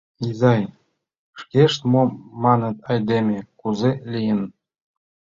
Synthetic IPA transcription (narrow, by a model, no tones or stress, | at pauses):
izɑj | ʃkeʃt̪momɑnə̆t̪ɑjd̪emʲekuzelʲijən